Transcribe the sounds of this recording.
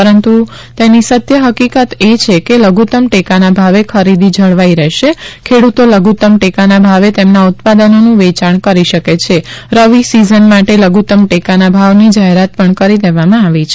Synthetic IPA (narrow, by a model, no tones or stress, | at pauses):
pəɾənt̪u | t̪enisət̪jəɦəkikət̪et͡ʃʰekeləɡʱut̪əmʈekanabʱaʋekʰəɾid̪id͡ʒʱəɽʋaiɾɛʃekʰeɽut̪oləɡʱut̪əmʈekanabʱaʋet̪emnaut̪̚pad̪ənonũʋet͡ʃaɳkəɾiʃəket͡ʃʰeɾəʋisizənmaʈeləɡʱut̪əmʈekanabʱaʋnid͡ʒaɦeɾat̪̚pəɳkəɾid̪eʋamãaʋit͡ʃʰe